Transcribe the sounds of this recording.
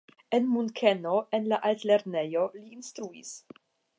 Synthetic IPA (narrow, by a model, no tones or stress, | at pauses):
enmunkʰenoenlaʔalt̪leɾnejoliːnst̪ɾuḭs